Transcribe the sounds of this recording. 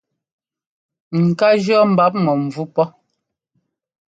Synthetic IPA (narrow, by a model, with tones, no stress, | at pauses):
ŋ̩˨ka˦d͡ʒɔ˦m̩˨ba˦p̚mɔ˨m̩˨vu˦pɔ˦